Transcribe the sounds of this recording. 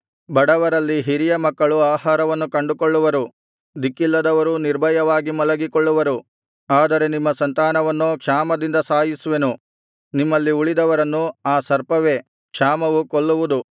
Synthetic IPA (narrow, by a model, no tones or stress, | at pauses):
bɐɽɐʋɐɾɐlːiɦiɾijɐmɐkːɐɭuaːhaːɾɐʋɐnːukɐɳɖukoɭːuʋɐɾu | d̪ikːilːɐd̪ɐʋɐɾuniɾbʱɐjɐʋaːɡimɐlɐɡikɔɭːuʋɐɾu | aːd̪ɐɾe̞nimːɐsɐnt̪aːnɐʋɐnːukʂaːmɐd̪ind̪ɐsaːjisuʋenu | nimːɐlːiuɭid̪ɐʋɐɾɐnːuaːsɐɾpɐʋe̞ | kʂaːmɐʋukoɭːuʋud̪u